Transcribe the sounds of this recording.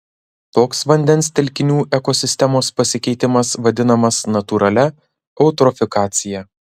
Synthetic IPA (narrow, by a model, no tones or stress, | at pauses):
t̪oːksʋɐnʲd̪ʲɛnˑst̪ʲɛlʲkʲɪnʲuːʔɛkosʲɪsʲt̪ʲɛmoːspɐsʲɪkʲɛɪt̪ʲɪmɐsʋɐd̪ʲɪnɐmɐsnɐt̪uːɾʔɐlʲɛ | ɐʊt̪ɾɔfʲɪkɑːt̪sʲɪjɛ